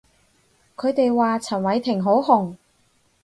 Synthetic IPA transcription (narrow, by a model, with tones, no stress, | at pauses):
kʰɵ˨˧ɥt̪e˨jwaː˨t͡sʰɐ˨˩nwɐ˨˧˥jt̪ʰɪ˨˩ŋɦo˨˥wɦʊ˨˩ŋ